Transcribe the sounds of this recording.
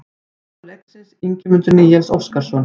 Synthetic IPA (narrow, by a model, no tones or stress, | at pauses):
lɛksɪsiɲcɪmʏnt̪ʏɾniːjɛnso̰wfskaɾ̥sɔn